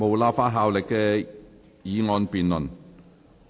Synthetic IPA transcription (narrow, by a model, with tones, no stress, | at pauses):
mo˨wlaː˧faː˥ɦaː˧wlɪ˨kːɛː˧ | jiː˨˧ŋɔː˧npiː˨nlɵ˨˩n